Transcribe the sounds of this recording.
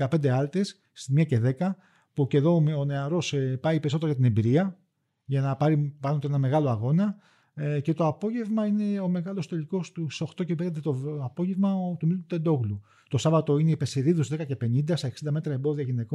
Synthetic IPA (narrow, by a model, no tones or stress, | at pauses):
kɐpe̞nd̪e̞ɐlt̪esːt̪imɲɐce̞ðe̞kɐ | puce̞ðo̞oneɐɾo̞spɐipeiso̞t̪eɾoɐt̪inembiɾiɐ | ʝɐnɐpɐɾipɐnot̪e̞nɐme̞ɣɐlo̞ɐɣo̞nɐ | ce̞t̪oɐpo̞ʝe̞vmɐine̞o̞me̞ɣɐlo̞st̪e̞liko̞st̪uso̞xt̪o̞cepenɐnd̪et̪oɐpo̞ʝe̞vmɐt̪umilut̪e̞nd̪o̞ɣlu | t̪osɐvɐt̪o̞ineipeseɾiðusðekɐce̞pe̞nind̪ɐst̪ɐeksind̪ɐme̞t̪ɾɐembo̞ðiɐʝine̞ko